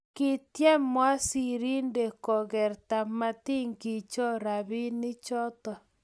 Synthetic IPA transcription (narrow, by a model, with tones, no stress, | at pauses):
ki˦tjɛ˦mwa˦si˦˨ɾi˦nde˨ko˨ɣɛ˨ɾta˨ma˦ti˦ŋɡi˨t͡ʃɔ˦ɾa˨βi˦ni˦t͡ʃɔ˦tɔ˨